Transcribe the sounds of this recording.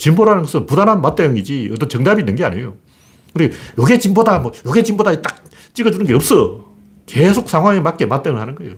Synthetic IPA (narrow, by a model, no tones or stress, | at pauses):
t͡ɕimboɾɯɦanɯnɡʌsʰɯnpudanɦanmat̚t͈eŋid͡ʑiʌ̰t͈ːʌnt͡ɕʌŋdabinːɯnɡea̰ɲejo | kɯɾijʌɡe̞t͡ɕimbodamʌjʌɡet͡ɕimbodait͈ak̚ | t͡ɕ͈iɡʌd͡ʑunɯnɡe̞ʌp̚s͈ʌ | ke̞sʰok̚sʰaŋɦwaŋemat̚k͈emat͈̚eŋɯɭhanɯnɡʌejo